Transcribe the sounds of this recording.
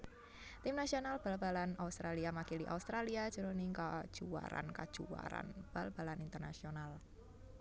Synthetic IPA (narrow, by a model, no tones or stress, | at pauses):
t̪imnasionalb̥albalanaust̪ɾaliamakiliʔa̰ust̪ɾaliḁʒ̥əɾoniŋkḁʒ̥ua̰ɾa̰nkad̥ʒ̥ua̰ɾa̰nb̥alb̥a̤lanint̪ərna̰sional